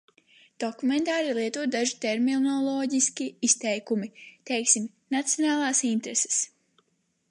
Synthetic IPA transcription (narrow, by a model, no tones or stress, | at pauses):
d̪̥okument̪aːɾilˠiɛt̪uɔt̪̚d̪aʒit̪eɾminɔlˠɔːɟiskʲiist̪ɛjkumit̪ɛjksim | nat̪sijɔnaːlˠaːsint̪ɾese̥s